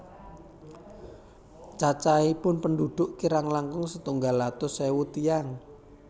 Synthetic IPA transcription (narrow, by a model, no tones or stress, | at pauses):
t͡ʃat͡ʃaipʊnpəndud̪̥ʊʔkiɾaŋlaŋkʊŋsət̪uŋɡalːat̪ʊsewut̪ijaŋ